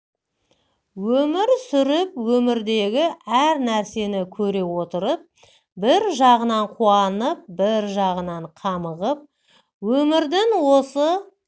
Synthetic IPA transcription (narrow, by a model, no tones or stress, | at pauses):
wɵmɪɾsʏɾɪpwɵmɪɾd̪e̞ɡʲɪæɾnæɾse̞nɪkʲʰɵɾe̞wo̞t̪əɾəp̚ | bɪɾʒɑʁənɑɴqʰuɑnəp̚bɪɾʒɑʁənɑɴqʰɑməʁəp̚ | wɵmɪɾd̪ɪŋwo̞sə